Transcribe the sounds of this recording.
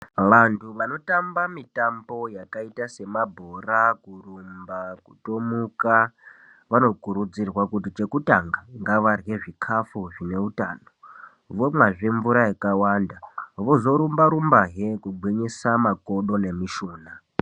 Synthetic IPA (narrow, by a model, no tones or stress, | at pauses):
ʋantʰuʋano̞tambamitambo̞jakaitase̞mabʱorakurumbakutomuka | ʋano̞kuɾud͡zirwakutit͡ʃe̞kutaŋɡaŋɡaʋarɣe̞ʐikʰafuʐine̞uta̰ːno | ʋomwaʐeɱvuɾajakawandaʋo̞zo̞ɾumbaɾumbaɦekuɡʱwiɲisamako̞ɗo̞ne̞miʃoːna